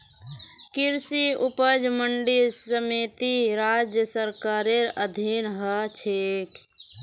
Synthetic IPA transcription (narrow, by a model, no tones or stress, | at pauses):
kiɾsiupəd͡ʒməɳɖisəmit̪iɾaːd͡ʒjəsəɾkaːɾeɾəd̪ʱinɦət͡ʃʰeːk